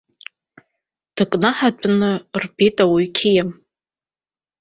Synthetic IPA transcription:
d̥ɨkʼnaħat͡pʷʼnɨrbejtʼawiɥkʲʰejam

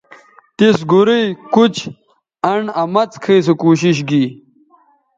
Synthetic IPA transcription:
t̪isɡuɾijkut͡ɕ | ɐɳɐmɐt͡skʰeisukuːɕiɕ̬ɡi

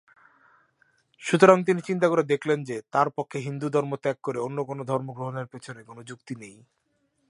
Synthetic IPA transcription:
ʃut̪oɾaŋt̪̬init͡ɕint̪̬akoɾed̪ekʰlend͡ʑet̪aɾpokʰːeɦind̪ud̪ʱɔɾmot̪ɛkːoɾeonːokonod̪ʱɔɾmoɡɾoɦoneɾpet͡ɕʰonekonod͡ʑukt̪inej

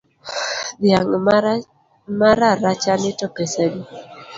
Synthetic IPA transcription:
d̪jaŋ | maɾaɾat͡ʃanɪtɔpesedi

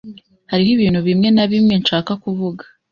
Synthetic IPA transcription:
haɾiɦiβiːnhuβimŋe̞naβimŋe̞nʃaːkakuβuɡḁ

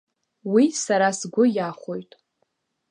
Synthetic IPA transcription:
wisaɾasɡʷʊjaχʷojtʼ

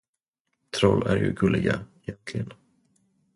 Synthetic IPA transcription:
t̪ʰɾɔlːæɾjɵɡɵlːɪɡaɪjɛnt̪ʰlɪɡən

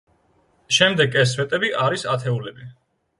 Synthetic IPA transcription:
ʃɛmd̪ɛɡɛs̬vɛt̪ʼɛbiʔaɾisat̪ʰɛulɛbi

